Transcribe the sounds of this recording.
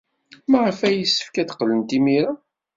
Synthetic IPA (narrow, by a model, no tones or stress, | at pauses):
maʁəfæjəsːə̥fkæθə̥qːlənt̪imiɾa